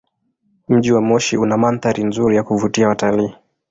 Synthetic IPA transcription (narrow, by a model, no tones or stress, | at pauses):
m̩ʄiwamɔʃiunamanθaɾinzuɾijakuvutiawataliː